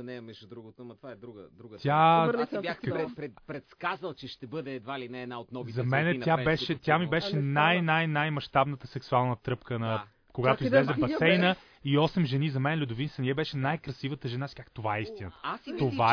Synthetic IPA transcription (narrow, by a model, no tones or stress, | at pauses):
ɐnɛɐmɛʒud̪ɾuɡot̪omɐt̪ovaɛd̪ɾuɡəd̪ɾuɡt̪ʲjabɾɛɾɛpɾɛt̪skazəlˠt͡ʃɛʃt̪ɛbɤd̪ɛːd̪vailinɛɛːd̪naot̪nɔvizɐmɛnɛt̪jabɛʃɛt̪jamibɛʃɛnajnajnajmɐʃt̪abnət̪əsɛksualˠnət̪ɾɤpkənɐ | koɡat̪oizlɛzɛbɐsɛjnə | iɔsɛmʒɛnizɐmɛnɛlʲʊd̪ʊvinsɐnʲjɛbɛʃɛnajkɾɐsivət̪əʒɛnasi̥kakt̪ovaɛist̪inət̪ə̥t̪ova